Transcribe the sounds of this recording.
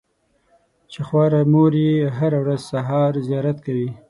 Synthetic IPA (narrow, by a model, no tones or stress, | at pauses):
t͡ʃexwɑɾamoɾiɦaɾawɾazsaɦɑɾzijɑɾat̪kawi